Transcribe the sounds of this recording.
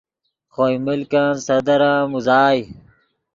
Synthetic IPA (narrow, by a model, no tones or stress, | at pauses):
xojmilkãnsɐd̪ɐɾãːmuzaːj